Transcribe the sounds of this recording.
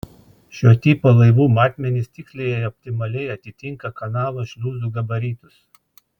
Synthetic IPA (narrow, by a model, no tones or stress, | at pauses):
ʃʲoːt̪ʲiːpoːlˠɐɪʋuːmɑːt̪ʲmʲɛnʲɪsʲt̪ʲɪksʲlʲejɛɔpʲt̪ʲɪmɐlʲɛɪɐt̪ʲɪt̪ʲɪŋkɐkɐnɑːlˠɐʃʲlʲuːzuːɡɐbɐɾʲiːt̪ʊs